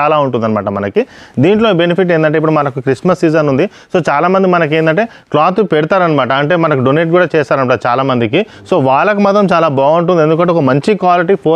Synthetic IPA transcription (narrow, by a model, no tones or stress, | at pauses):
aːlaːuɳʈ̬und̪ɐnɐma̰ːʈɐmɐnɐkid̪iːɳʈlobe̞nipʰiʈ̬ːeːnd̪ɐɳʈeːip̬ːuɽumɐnɐkukɾismɐsːiːzɐnund̪i | so̞ːt͡ʃaːlaːmɐnd̪imɐnɐk̬eːnd̪ɐɳʈeː | klaːt̪̬upeɽut̪aːɾɐnɐmaːʈɐɐɳʈe̞ːmɐnɐkuɖoneːʈ̚ɡuːɽaːt͡ʃɛːsaːɾɐnɐmpaːt͡ʃaːlaːmɐnd̪iki | so̞ːʋaːɭːɐkumɐt̪ɾɐmt͡ʃaːlaːbaːuɳʈ̬und̪end̪ukɐɳʈ̬ːeɔkɐmɐɲt͡ʃikʋaːliʈiːpʰoː